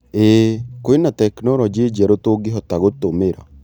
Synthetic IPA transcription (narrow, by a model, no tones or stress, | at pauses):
eːkoenat̪ɛknɔɾɔd͡ʒid͡ʒɛɾot̪oɡeɦɔt̪aɣot̪omeɾa̰